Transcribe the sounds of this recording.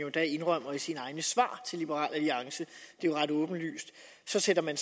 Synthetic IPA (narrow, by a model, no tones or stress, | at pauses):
jo̝d̥æe̝nʁɶm̰ɐisinəɑ̈ɪnəsʋɑ̰̈ːt͡sʰe̝lib̥əʁɑ̰̈ːlæliɑ̈ŋsəd̥e̝joʁɑ̈d̥ɔ̽ːb̥n̩ly̰ːsd̥ | sɒ̽sedɐmæns